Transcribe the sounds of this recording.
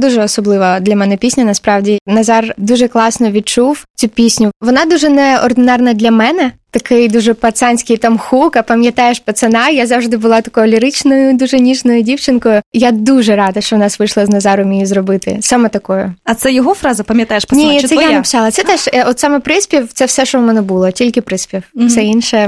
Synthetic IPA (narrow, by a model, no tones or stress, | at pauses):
d̪uʒɛɔsɔblˠɪʋɐd̪lʲɐmɛnɛpʲisʲnʲɐnɐspɾɑwdʲinɐzɑrd̪uʒɛklˠɑsnɔʋʲid̪̚t͡ʃuwt͡sʲupʲisʲnʲʊʋɔnɑd̪uʒɛnɛɔrd̪ɪnɑrnɐd̪lʲɐmɛnɛt̪ɐkɪjd̪uʒɛpɐt̪sɑnʲsʲkɪjt̪ɐmxukɐpɐmʲjɐt̪ajeʃpɐt̪sɐnɑjazɑwʐd̪ɪbʊlˠɑt̪ɐ̥kɔjʊlʲiɾɪt͡ʃnɔjʊd̪uʒɛnʲiʃnɔjʊdʲiwt͡ʃɪnkɔjʊjad̪uʒɛɾɑd̪ɐʃt͡ʃɔʋnɑsʋɪʃlˠɐznɐzɑɾʊmʲijizrɔbɪt̪ɪ̰sɑmɛt̪ɐkɔjʊɐt̪sɛjɔɦɔfɾɑzɐpɐmʲjɐt̪ɑjeʃpnʲisɛjjanɐpɪ̥sɑlˠɐt̪sɛt̪ɛʃɔt̪sɑmɛpɾɪsʲpʲiwt̪sɛwsɛʃɔʋmɛnɛbulˠɔtʲilʲkɪpɾɪspʲiwsɛinʃɛ